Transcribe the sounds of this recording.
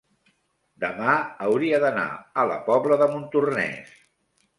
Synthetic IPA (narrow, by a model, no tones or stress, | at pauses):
d̪əmaəwɾiəðəna̰ələ̰pɔβləðəmunt̪urnɛ̰s